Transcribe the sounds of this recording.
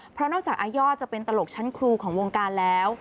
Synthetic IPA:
pʰɾɔ˦˥nɔː˥˩t͡ɕaː˨˩k̚ʔaː˧jɔː˥˩t͡ɕa˨˩pe˧nt̪a˧lo˨˩k̚t͡ɕʰa˦˥nkʰɾuː˧kʰɔː˩˦ŋwoː˧ŋkaː˧nlɛː˦˥w

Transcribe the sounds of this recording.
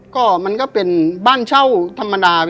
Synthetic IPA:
kɔː˥˩ma˧nkɔː˥˩pe˧nbaː˥˩nt͡ɕʰa˥˩wt̪ʰa˧mːa˧daː˧

